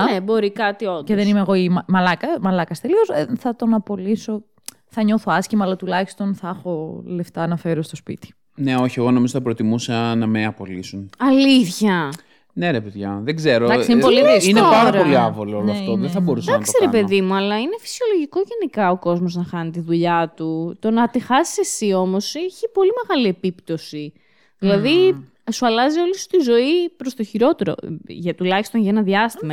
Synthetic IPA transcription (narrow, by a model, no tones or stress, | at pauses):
nebo̞ɾikɐt̪ioceðenimeːɣo̞imɐmɐlɐkɐmɐlɐkɐst̪elio̞sθɐt̪o̞nɐpo̞liso̞ | θɐɲo̞θo̞ɐscimɐːlɐt̪ulɐçi̥st̪o̞nθɐxo̞le̞ft̪ɐːnɐfe̞ɾost̪ospḭt̪i̥ | ne̞o̞çie̞ɣo̞no̞mizoθɐpɾot̪imusɐnɐmeɐpo̞lisunɐliθçɐ | ne̞ɾepeðʝɐðeɡze̞ɾod̪ɐsinoliðsinneaɾoliɐvolooloɐft̪oðeθɐbo̞ɾussd̪ɐnɐksiɾepe̞ðimuɐlɐine̞fi̥sio̞loʝiko̞ʝɐnikɐo̞ko̞zmo̞znɐxɐnit̪iðuʎɐt̪ut̪o̞nɐt̪ixɐsi̥se̞sio̞mo̞sieçipo̞lime̞ɣɐlie̞pipt̪o̞si | ðilɐði | suɐlɐzio̞list̪izo̞ipɾo̞st̪oçiɾo̞t̪e̞ɾo̞̰ʝɐt̪ulɐçist̪onjɐenɐðiɐst̪imɐ